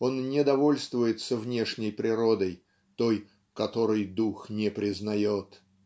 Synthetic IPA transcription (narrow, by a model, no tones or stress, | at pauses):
o̞nnʲɪd̪ɐvo̞lʲst̪vʊjɪt̪səvnʲeʂnʲɪjpɾʲɪɾo̞d̪əj | t̪o̞j | kɐt̪o̞ɾɨjd̪uxnʲɪpɾʲɪznɐjot̪